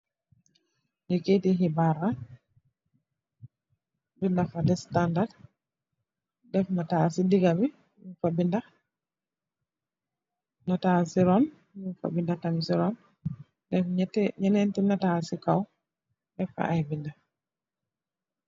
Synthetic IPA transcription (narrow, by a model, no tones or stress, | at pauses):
diketiɦibaɾa | bindafadɛstandad | dɛfnatasidiɡabi | mufabinda | natasiɾɔn | jufa̰bindatamsiɾɔn | dɛftɲɛnɛntinatasikaw | dɛfa̰ʔajbinda